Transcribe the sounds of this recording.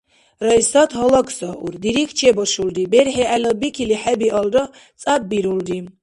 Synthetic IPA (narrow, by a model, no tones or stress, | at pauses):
rajsat̪ʰɦɔlakʰsaʔṵɾd̪iɾikʰt͡ʃʰɛbɔʃuld̪ibɛɾħɛalɔbikʰiliħɛbiʔɔlɾɔ | t͡sʼab̚ːiɾuld̪i